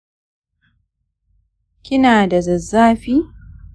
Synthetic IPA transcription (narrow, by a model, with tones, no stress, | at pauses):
kʲɪ˦naː˨da˨zɐ˨zːaː˦ɸiː˦